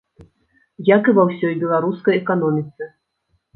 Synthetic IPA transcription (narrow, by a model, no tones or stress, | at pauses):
jakɨvawsʲɔjbʲɛlˠaɾuskɐjɛkanɔmʲit̪sɨ